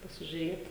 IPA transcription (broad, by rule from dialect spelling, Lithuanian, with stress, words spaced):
pɐsʲɪʒʲʊˈrʲeːt